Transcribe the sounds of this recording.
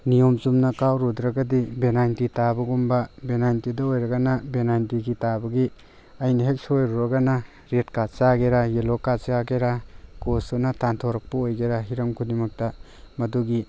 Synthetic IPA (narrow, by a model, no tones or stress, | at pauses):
nijomzumnɐkawɾud̪ɾɐɡɐdibenajntitabɐɡumbɐbenajntidɐojɾɐɡɐnɐbenajntiɡitabɐɡi | ɐjnɐɦek̚sojɾuɾɐɡɐnɐ | ɾet̚kat͡ʃaɡeɾajelokat͡ʃaɡeɾakosonɐtantʰoɾɐk̚pɐojɡeɾaɦiɾɐmkʰudimɐk̚tɐ | mɐduɡi